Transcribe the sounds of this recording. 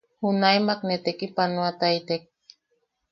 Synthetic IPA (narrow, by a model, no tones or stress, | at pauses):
hunajmak̚net̪ekipanuat̪ajt̪ek̚